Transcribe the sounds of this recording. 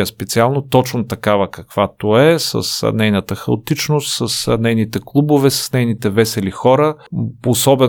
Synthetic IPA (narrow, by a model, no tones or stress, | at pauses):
əspɛt̪sialˠnot̪ɔt͡ʃnot̪ɐkavəkɐkv̥at̪oɛsə̰snɛjnət̪əxɐot̪it͡ʃnost̪səsnɛjnit̪ɛklˠubovɛsə̥snɛjnit̪ɛvɛsɛlixɔɾəposɔbɛ